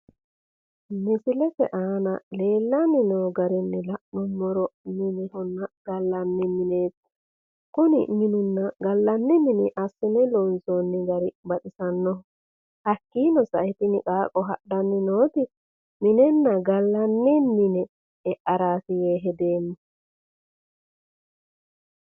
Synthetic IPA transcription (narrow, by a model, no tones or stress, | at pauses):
mɪsɪlɛsɛ̰ʔaːnɐle̞ːlːɐnːɪnoːɡɐɾɪnːɛlɐʔnɔmːɔɾɔmɪnɪhʊnːɐɡ̥ɐlːɐnːɪmɪneːt̪ː | kʊnɪ̰mɪnʊnːɐɡɐlːɐnːɪmɪnɪʔɐsːɪnɛlɔnsonːɪɡɐɾɪbɐt̪ʼɪsɐnːɔɔ | hɐkːiːnɔsɐ̰ʔɛt̪ɪnɪkʼaːkʼɔɦɐ̰ɗɐnːɪnoːt̪ɪ | mɪnɛnːɐɡɐlːɐnːɛnːɪnɛ | ɛʔɐɾaːsɪjeːɦɛd̪eːmːɛ